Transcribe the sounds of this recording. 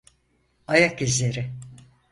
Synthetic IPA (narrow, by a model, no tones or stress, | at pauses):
ajakizlʲe̞ɾɪ